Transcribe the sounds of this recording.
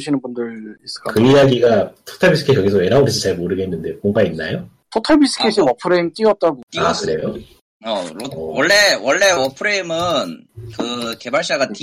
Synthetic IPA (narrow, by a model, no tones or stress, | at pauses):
ɕʰinɯnbundɯɭis͈ɯ̥k͈akɯijaɡiɡatʰo̥tʰaɭbis͈ʰɯkʰekʌɡisʰʌweɾaoɾɯd͡ʑʰit͡ɕaɭmoɾɯɡeɦenːɯnde̞moŋbainːa̰jo | tʰotʰʌbis͈ɯ̥kʰesʰiwʌpʰɯɾeimt͈iʌp̚t͈aɡoiakɯɾe̞jo | ʌowʌɭːe̞wʌɭːe̞wʌpʰɯɾeimɯnkɯke̞baɭɕ͈aɡatʰ